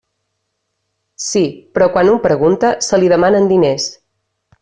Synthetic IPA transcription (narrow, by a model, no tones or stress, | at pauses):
sipɾɔkwanumpɾəɣunt̪əsəliðəmanənd̪ines